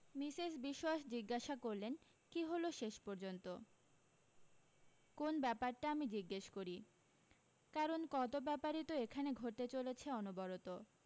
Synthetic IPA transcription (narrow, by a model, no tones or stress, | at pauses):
misesbiʃoaʃd͡ʑiɡːaʃakoɾlen | kiɦoloʃeʃpoɾd͡ʑont̪o | konbɛpaɾʈaamid͡ʑiɡːeʃkoɾi | kaɾonkɔt̪obɛpaɾit̪oekʰaneɡʱoɾ̚t̪et͡ɕolet͡ɕʰeɔnubɔɾot̪o